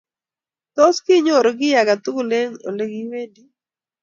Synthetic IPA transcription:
t̪ɔ˦skɪ˦ɲo˦˨ɾɔ˨ɡɪ˦ja˨ɡa˨t̪u˦kle˦ŋo̰˨le˦ɡi˦we˦di˦

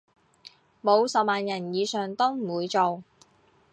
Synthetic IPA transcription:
mo˨˧wsɐ˨p̚maː˨njɐ˨˩njiː˨˧sœː˨ŋt̪ɔː˥ŋm̩˨˩wuː˨˧jt͡so˨w

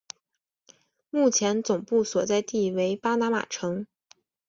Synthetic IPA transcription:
mu˥˩t͡ɕʰjɛ˧˥nt͡sʊ˨˩ŋpu˥˩swɔ˨˩t͡sa˥˧ɪt̪i˥˩we˧˥ɪpa˥na˧˥ma̰˨˩ʈ͡ʂʰɤ˧˥ŋ

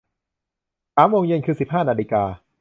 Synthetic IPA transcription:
saː˩˦mːoː˧ŋje˧nkʰɯː˧si˨˩p̚ɦaː˥˩naː˧liː˧kaː˧

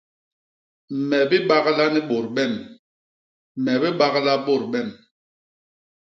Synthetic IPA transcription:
m̩˨mɛ˨bi˦ɓa˦ɣla˦ni˦ɓo˨ɾɓɛ˦˨m˨ | mɛ˨bi˦ɓa˦ɣla˦ɓo˦˨ɾɓɛ˦˨m

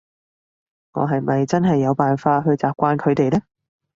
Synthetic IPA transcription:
ŋɔ̰˨˧ɦɐ˨jmɐ˨jt͡sɐ˥nɦɐ˨jːɐ˨˧wpaː˨nfaː˧ɦɵ˧ɥt͡saː˨p̚kʷaː˧nkʰɵ˨˧ɥt̪e˨jlɛː˥

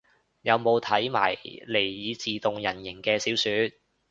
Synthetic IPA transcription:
jɐ˨˧wmo˨˧wt̪ʰɐ˨˥jma̰ː˨˩jle˨˩jjiː˨˧t͡siː˨t̪ʊ˨ŋjɐ˨˩njɪ˨˩ŋkɛː˧siː˨˥wsyː˨˥t̪̚

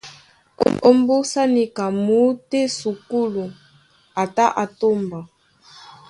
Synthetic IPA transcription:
o˦mbu˦sa˦ni˨ka˨mu˦te˦su˨ku˦lu˨ | a˨ta˦ʔa˨to˦mba˨

